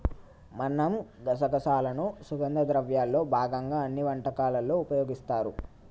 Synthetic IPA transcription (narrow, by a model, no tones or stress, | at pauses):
mɐnːɐmɡ̪ɐsɐkɐsaːlɐnusuɡɐnd̪ɐd̪ɾɐʋjaːlːo̞ːbʱaːɡɐŋɡaːɐnːiʋɐɳʈɐkaːlɐlːoːupɐjo̞ːɡist̪aːɾṵ